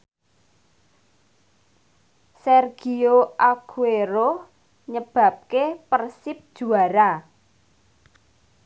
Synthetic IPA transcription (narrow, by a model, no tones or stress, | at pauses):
sɛrɡ̥ioʔakʰueɾo | ɲəb̥ä̤p̚kepərsɪp̚d̥ʒ̥ṳaɾa